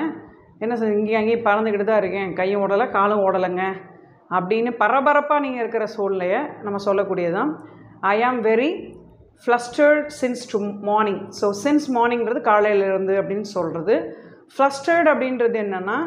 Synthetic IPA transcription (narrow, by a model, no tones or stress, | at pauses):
ɛnːɐsɪŋɡeɐŋɡipɐɾɐnd̪ɯkɪʈɯt̪ãːɪɾɯkːẽːkɐjːɯ̃ɔːɽɐlɐkaːlɯ̃ɔɽɐlɐŋɡɐ | ɐpːɐɽɪnːɯpɐɾɐbɐɾɐpːaːniːŋɡɐɪɾɯkːɪɾɐsuːllɐjɐnɐmːɐsɔlːɐkːuːɽɪjɐðãː | ɐjɐmʋɛɾi | flɐsʈɐɾɖsɪnsʈumaːɾnɪ̃ŋsoːsɪnsmaːɾnɪŋɪɾɐðɯkaːlɐjɪlɪɾɯnd̪ɯɐpːɐɽɪnːɯsɔlrɐðɯ | flɐsʈɐɾɖɐpːɐɽɪnɾɐðɯɛnːɐnːaː